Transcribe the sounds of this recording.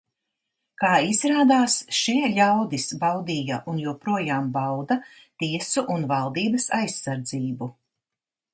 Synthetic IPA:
kaːizɾaːd̪aːsʃiɛʎʲawd̪isbawd̪iːjaʔunjuɔpɾuɔjaːmbawd̪a | t̪iɛsuʔunvalˠd̪iːbɐsajsːaɾd̪ziːbu

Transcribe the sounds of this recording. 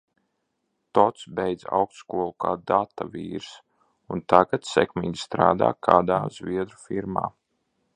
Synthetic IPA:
t̪ɔt̪sbɛjd̪za̰wkst̪kuɔlˠukaːd̪at̪aviːɾs | unt̪aɡat̪sɛ̰kmiːɡʲi̥st̪ɾa̰ːd̪a̰ːkʰaːd̪aːzviɛd̪ɾufiɾma̰ː

